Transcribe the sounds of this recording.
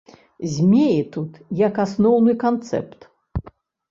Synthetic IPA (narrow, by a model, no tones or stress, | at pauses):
zʲmʲejɛt̪ut̪jɐkasnɔwnɨkant̪sɛ̰pt̪